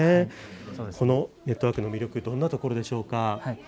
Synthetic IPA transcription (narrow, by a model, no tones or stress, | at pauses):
e | ko̞no̞ne̞t̪ːoβaːkɯ̟no̞mʲiɾʲjo̞kɯ̟d̪õ̞nːat̪o̞ko̞ɾo̞d̪e̞ɕo̞ːka